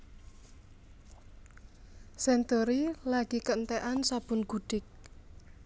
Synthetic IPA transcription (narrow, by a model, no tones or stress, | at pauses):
sɛnt̪oɾilaɡ̥ikəənt̪ɛʔansab̥ʊnɡ̥uɖ̥ɪk̚